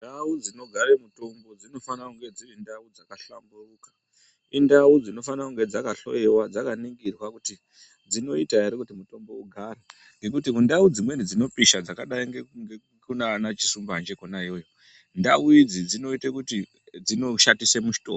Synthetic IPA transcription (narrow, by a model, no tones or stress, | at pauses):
ndaud͡zino̞ɡʱaremuto̞mbo̞d͡zino̞fanakuŋɡe̞d͡ziʋendaud͡zakaɬamburukḁ | indaud͡zino̞fanakuŋɡe̞d͡zakaɬo̞̰jewad͡zakaniŋɡirwakuti | d͡zino̞itaeɾikutimuto̞mbo̞uɡʱara | ŋɡe̞kutikundaud͡zimwe̞nid͡zino̞piʃad͡zakaɗaiŋɡeŋɡe | kunaːnat͡ʃi̥sumbaand͡ʒekonaijo̞ːjo | ndauid͡zid͡zino̞itekuti | d͡zino̞ʃatisemuʃi̥to̰ko